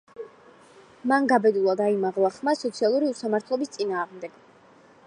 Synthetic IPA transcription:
manɡabɛd̪ulˠad̪aimaʁlˠaχmasɔt̪sʰialˠuɾiusamaɾt̪ʰlˠɔbist̪sʼinaːʁmd̪ɛɡ̥

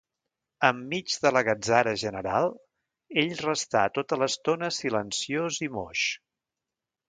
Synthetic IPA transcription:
əmːid͡ʒðələɣəd͡zaɾəʒənəɾalˠ | eʎrəst̪at̪ot̪ələst̪onəsilənsiozimoʃ

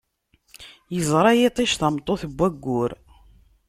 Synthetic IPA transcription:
jəzˤɾˤɑjet̪ˤiʃθɑmt̪ˤːoθəbːæɡːʊɾ

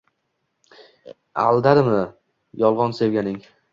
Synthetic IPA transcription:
alˠd̪aɾmɪ | jɒlˠʁɒnse̞vɡʲanɪŋ

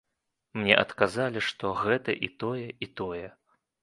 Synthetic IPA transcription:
mnʲɛ̰ʔɐt̪kazalʲiʂt̪ɔɣɛt̪ɐʔit̪ɔjɛit̪ɔjɛ

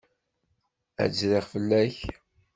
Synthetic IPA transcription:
æ̰d͡zɾiʁfəlːæç

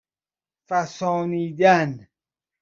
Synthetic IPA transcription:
fæsɔːniːd̪æn

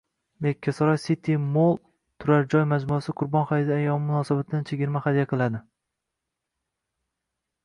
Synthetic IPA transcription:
d̪ekʲʰːasɒɾɒjsit̪ʰimolˠ | t̪ʰʊɾaɾd͡ʒɒjmad͡ʒmuasɪqʰʊɾbɒnχaɪd̪ɪajɒmɪmʊnɒsabat̪ʰɪd̪ant͡ʃʰeɡʲɪɾmaχad̪ijaqʰɨlˠad̪ɪ

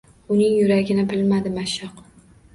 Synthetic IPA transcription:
ʊnɪŋjʊɾaɡʲɪnɪbɪlmad̪ɪmaʃɑq

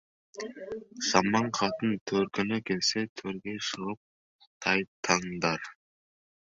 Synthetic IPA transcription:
sɑmɑɴqʰɑt̪ɯnt̪ʰøɾkønøkelset̪ʰøɾɡeʃɯʁɯp̚ | t̪ʰɑjt̪ʰɑŋd̪ɑɾ

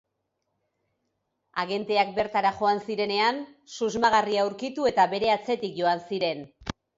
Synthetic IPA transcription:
aɣe̞nt̪e̞ak̚be̞ɾt̪aɾaʝo̞ansiɾe̞ne̞ansuzmaɣ̞ariawɾkit̪ue̞t̪aβe̞ɾe̞at͡se̞t̪ikʝo̞ansiɾe̞n

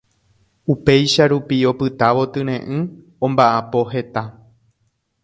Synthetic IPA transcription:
upe̞jʃaɾupio̞pɨt̪aʋo̞t̪ɨ̃ɾ̃ẽ̞ʔɨ̃ | õmbaʔapo̞ɦe̞t̪a

